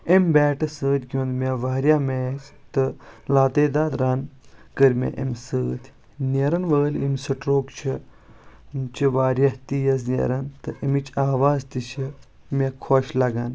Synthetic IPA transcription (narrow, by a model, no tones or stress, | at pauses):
imʲbɛːʈɨsəːt̪ʲkʲõːnd̪meʋaːɾʲjaːmeːt͡ʃt̪ɨlaːt̪eːd̪aːd̪ɾaːnkəɾʲmʲḛʔə̰msəːt̪ʲ | neɾɐnʋəːlimʲsɐʈɾoːkt͡ʃʰi | t͡ʃʰiʋaːɾjat̪ijɐs̬nʲḛɾɐnt̪ɨʔimit͡ʃʰaːʋaːzt̪it͡ʃʰi | mekʰoːʃlɐɡan